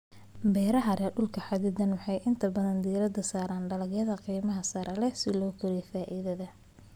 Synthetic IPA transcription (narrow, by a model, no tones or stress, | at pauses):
bɛːɾɐɦɐɾʔɛɖʊlkʰɐħɑd̪ɪd̪ɐnwɑħɑjʔɪnt̪ʰɐbɐðɐnd̪iːɾɐd̪ɐsaːɾaːnɖɐlɐɡjɐðɐqiːmɐɦɐsɐɾɐlɛsɪlɔːkʰʊɾɛfaːʔiðɐðɐ